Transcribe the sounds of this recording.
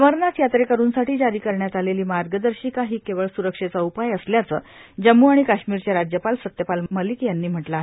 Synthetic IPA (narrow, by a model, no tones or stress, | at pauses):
əməɾnat͡sjat̪ɾekəɾuːnsaʈiːd͡ʑaɾiːkəɾɳjat̪aleliːmaɾɡəd̪əɾɕiːkaɦiːkeʋəɭsuɾəkʂet͡saupajəsljat͡səːd͡ʑəmːuaɽ̃ikaɕmiːɾt͡ɕjaɾad͡ʑjəpalsət̪jəpalməliːkjanːiːm̤əʈlaːɦe